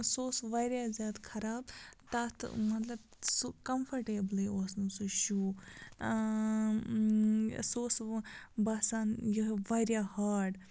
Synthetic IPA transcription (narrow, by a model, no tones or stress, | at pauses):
soːsʋajɾjaːzʲjaːd̪kʰɐɾaːbt̪at̪ʰmɐt̪lɐb̚ | sukɐmpʰɐɾʈeːblioːsnusuʃuː | soːsbɐsaːnjiʋɐjɾjahaːɖ